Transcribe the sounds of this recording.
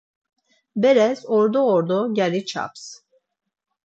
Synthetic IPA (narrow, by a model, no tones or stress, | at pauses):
beɾɛzoɾd̪ɔoɾd̪oɟæɾit͡ʃʰa̰ps